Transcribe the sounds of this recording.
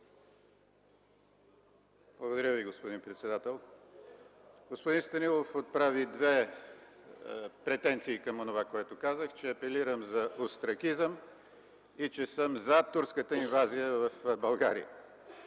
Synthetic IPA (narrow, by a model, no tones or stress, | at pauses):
b̥lˠəɡod̪ɐɾjəviɡospod̪inpɾɛt̪sɛd̪at̪ɛlˠ | ɡospod̪inst̪ɐnilˠofot̪̚pɾavid̪vɛ | pɾɛt̪ɛnt̪siːkɐmonovakoɛt̪ʊkazəxt͡ʃɛɐpɛliɾəmzɐost̪ɾɐkizəm | it͡ʃɛsəmzat̪uɾskət̪əinvazijəvəfbɐlˠɡa̰ɾḭjə̰